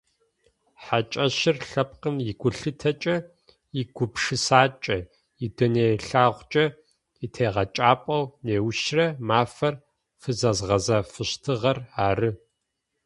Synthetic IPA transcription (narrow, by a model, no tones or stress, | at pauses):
ħat͡ʃʼɐɕɪrɬɐp̚qənjɪɡʷʊɬɨtʰɐt͡ʃʼɐ | iɡ̥ʷʊpʂɨsaːt͡ʃʼɐ | idɐneːɬaːʁʷt͡ʃʼɐ | itʰeːʁɐt͡ʃʼaːpʼɐwneːwʃrɐmaːfɐr | fɨzɐzʁɐzafɨɕtʰɨʁɐraːrɨ